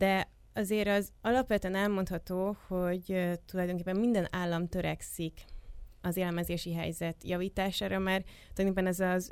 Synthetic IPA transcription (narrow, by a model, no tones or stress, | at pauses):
d̪ɛ | ɒzeːɾɒzɒlɒpʋɛt̪yɛnɛlmo̞nt̪hɒt̪oːho̞ɟt̪ulɒjd̪o̞ŋkeːpːɛmmind̪ɛnaːlːɒmt̪øɾɛ̰ksikɒzeːlɛmɛzeːʃiɦɛ̰jzɛt̪jɒviːt̪aːʃaːɾɒmaːrt̪ːkepːɛnɛzɒ